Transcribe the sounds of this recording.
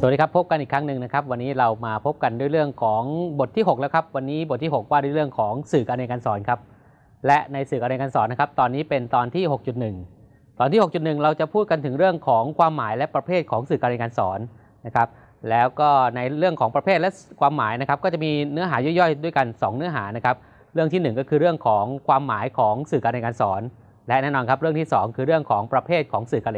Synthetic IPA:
swndiː˧˥kʰa˦˥pʰːo˦˥p̚ka˧nʔiː˨˩kʰɾa˦˥ŋnɯ˨˩ŋna˦˥kʰa˦˥p̚wa˧nːiː˦˥ɾa˧wmaː˧pʰo˦˥p̚ka˧ndu˥˩əjɾɯ˥˩əŋkʰɔː˩˦ŋbo˨˩t̪ʰːiː˥˩ɦo˨˩k̚lɛː˦˥wkʰa˦˥p̚wa˧nːiː˦˥bo˨˩t̪̚ʰːi˥˩ɦo˨˩k̚waː˥˩du˥˩˨jɾɯ˥˩əŋkʰɔː˩˦ŋsɯː˨˩kʔaː˧na˧jka˧nsɔː˩˦nkʰa˦˥p̚ | lɛ˦˥ʔna˧jsɯː˨˩ka˧na˧jka˧nsɔ̰ː˩˦nːa˦˥kʰa˦˥p̚t̪ɔː˧nːiː˦˥pe˧nt̪ɔː˧nt̪ʰiː˥˩ɦho˨˩k̚t͡ɕu˨˩t̪̚nɯ˨˩ŋ | t̪ɔː˧nt̪ʰiː˥˩ho˨˩k̚t͡ɕu˨˩t̪nɯ˨˩ŋɾa˧wt͡ɕa˨˩pʰuː˥˩t̪̚ka˧nt̪ʰɯ˩˦ŋɾɯ˥˩əŋkʰɔː˩˦ŋkʰwaː˧mːaː˩˦jlɛ˦˥ʔpɾa˧pʰeː˥˩t̪̚kʰɔː˩˦ŋsɯː˨˩kaː˧na˧jka˧nsɔ̰ː˩˦nː | a˦˥kʰa˦˥p̚ | lɛː˦˥wkɔː˥˩na˧jɾɯ˥˩əŋkʰɔː˩˦ŋpɾa˧pʰeː˥˩t̪̚lɛ˦˥kʰwaː˧mːaː˩˦jna˥kʰa˦˥p̚kɔː˥˩t͡ɕa˨˩ʔmiː˧nɯ˦˥ɐɦaː˩˦jɔ˥˩jɔ˥˩jdu˥˩əjka˧nsɔː˩˦ŋnɯ˦˥ɐɦaː˩˦na˦˥kʰa˦˥p̚ | ɾɯ˥˩t̪ʰiː˥˩nɯ˨˩ŋkɔː˥˩kʰɯː˧ɾɯ˥˩əŋkʰɔː˩˦ŋkʰwaː˧mːaː˩˦jkʰɔː˩˦ŋsɯː˨˩ka˧na˧jka˧nsɔː˩˦n | lɛ˦˥ʔnɛː˥˩nɔː˧nkʰa˦˥p̚ɾɯ˥˩əŋt̪iː˥˩sɔː˩˦ŋkʰɯː˧ɾɯ˥˩əŋkʰɔː˩˦ŋpɾa˧pʰeː˥˩t̪̚kʰɔː˩˦ŋsɯː˨˩ka˧le˧

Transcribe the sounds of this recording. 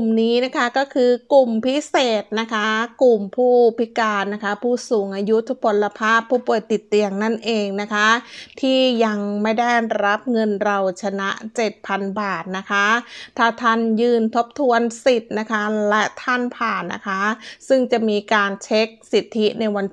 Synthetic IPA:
u˨˩mniː˦˥na˦˥kʰa˦˥kɔː˥˩kʰɯː˧ku˨˩mpʰi˦˥seː˨˩t̪̚na˦˥kʰa˦˥ku˨˩mpʰuː˥˩pʰi˦˥kaː˧nna˦˥kʰa˦˥pʰuː˥˩suː˨˩˦ŋʔaː˧ju˦˥t̪ʰu˦˥pʰo˧la˧pʰaː˥˩pʰːuː˥˩pu˨˩əjt̪i˨˩t̪ːi˧əŋna˥˩nʔeː˧ŋna˦˥kʰa˦˥t̪ʰiː˥˩ja˧ŋma˥˩jda˥˩jɾa˦˥p̚ŋɤ˧nɾa˧wt͡ɕʰa˧na˦˥ʔt͡ɕe˨˩t̪̚pʰa˧nbaː˨˩t̪̚na˦˥kʰa˦˥t̪ʰaː˥˩t̪ʰa˥˩njɯː˧˩nt̪ʰo˦˥p̚t̪ʰu˧ənsi˨˩t̪̚na˦˥kʰa˦˥lɛ˦˥t̪ʰa˥˩npʰaː˨˩nːa̰˦˥kʰa˦˥sɯ˥˩ŋt͡ɕa˨˩ʔmiː˧kaː˧nt͡ɕʰe˦˥k̚si˨˩t̪ʰːi˦˥na˧jwa˧n

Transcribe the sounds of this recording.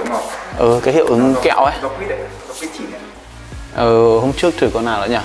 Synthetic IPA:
ʔəː˨˩kaː˨˦jhi˧˨wʔɨ˨˦ŋkɛ̰˧˨wʔa˨˦˧ | ʔəː˨˩ho˧mŋ͡mt͡ɕɨ˦˥ək̚t̪ʰɨː˨˩kɔ˨˧naː˨˧˩wla̰˧˥˦ɲaː˧˩

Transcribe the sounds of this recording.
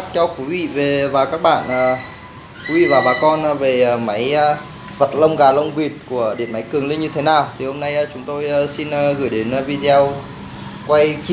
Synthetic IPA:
p̚t͡ɕɔ˧wkwi˨˦vḭ˧˨ve˨˩vaː˨˩kaː˦˥k̚ɓa̰ː˧˨nʔəː˨˩ | kwi˨˦vḭ˧˨vaː˨˩ɓaː˨˩kɔ˧n˨ve˨˩˨ma˨˦j | və˨˩t̚lə˧wŋ͡mɣaː˨˩lə˧wŋ͡mvi˨˩ət̚ku˧˩əɗi˧˩ənma˨˦jkɨ˨˩əŋli˧nɲɨ˧t̪ʰe˨˦naː˨˩wt̪ʰi˨˩ho˧mna˧jəː˨˩t͡ɕʊ˨˦ŋ͡mt̪o˧jəː˨˧si˧nː˧ɣɨ˧˩jɗe˨˦n˧vi˧t̪ə˧w | kwa˧j

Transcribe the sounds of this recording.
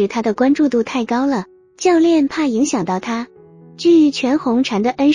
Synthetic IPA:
ɻ̩˨˩t̪ʰa˥d̪ə˨kwa˥nʈ͡ʂu˥˧t̪u˥˧t̪ʰa˥˩ɪkɑ˥ʊlə˨ | t͡ɕjɑ˥˧ʊljɛ˥˧npʰa˥˩i˧˥ŋɕjɑ˨˩ŋt̪ɑ˥˩ʊt̪ʰa˥ | t͡ɕy˥˩˧t͡ɕʰɥɛ˧˥nxʊ˧˥ŋʈ͡ʂʰa˧˥nd̪ə˨ʔə˥n

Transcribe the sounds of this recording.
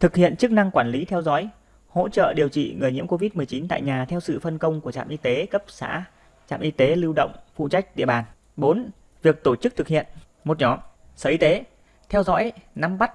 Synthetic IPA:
t̪ʰɨ˨˩k̚hḭ˧˨ənt͡ɕɨ˦˥k̚na˧ŋkwaː˧˩nli˨˦t̪ʰɛ˧wzɔ̰˧˥j | ho̰˧˥t͡ɕə̰ː˧˨ɗi˨˩əwt͡ɕḭ˧˨ŋɨ˨˩əjɲi˧˥mko˧vi˦˥t̚mɨ˨˩əjt͡ɕi˨˦nt̪a̰ː˧˨jɲaː˨˩t̪ʰɛ˧wsɨ̰˧˨fə˧˩nkə˧wŋ͡mku˧˩t͡ɕa̰ː˧˨mʔi˧t̪e˨˦kə˦˥p̚sa̰ː˧˥ | t͡ɕa̰ː˧˨mʔi˧t̪e˨˦lɨ˧wɗə̰˧˨wŋ͡mfṵ˧˨t͡ɕa˦˥jk̟̚ɗḭ˧˨əɓaː˨˩n | ɓo˨˦n | vi˨˩ək̚t̪o˧˩t͡ɕɨ˦˥k̚t̪ʰɨ˨˩k̚hḭ˧˨ən | mo˨˩t̚ɲɔ˨˩ | səː˨˩i˧t̪e˨˦ | t̪ʰɛ˧wzɔ̰˧˥jna˨˧mɓa˦˥t̚

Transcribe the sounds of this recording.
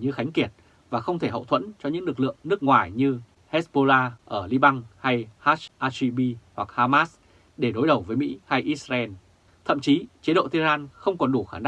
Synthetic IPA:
ɲɨ˧xa˨˦jŋ̟ki˨˩ət̚ | vaː˨˩xə˧wŋ͡mt̪ʰe˧˩ɦə̰˧˨wt̪ʰwə̰˧˥nt͡ɕɔ˧ɲɨ̰˧˥ŋlɨ˨˩k̚lɨ̰˧˨əŋnɨ˦˥ək̚ŋwaː˨˩jɲɨ˧ | hɛ˦˥tsɓo˧laː˧ʔəː˧˩li˧ɓa˧ŋha˧jhaː˦˥ʔaː˧si˧ɓi˧hwa˨˩k̚haː˧maː˦˥s | ɗe˧˩ɗo˨˦jɗə˨˩wvəː˨˦jmḭ˧˥ha˧jʔi˦˥t̚szaː˧ʔɛ˧n | t̪ʰə̰˧˨mt͡ɕi˨˦t͡ɕi˨˦ɗo̰˧˨t̪ʰi˧zaː˧nxə˧wŋ͡mkɔ˨˩nɗu˧˩xaː˧˩nɗa˧

